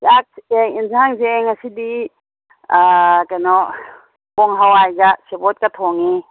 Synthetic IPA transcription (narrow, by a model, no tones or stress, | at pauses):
sak̚seŋinzaŋzeːŋasidi | akanɔ | kɔŋɦawajɡasebɔt̚kat̪ʰɔŋi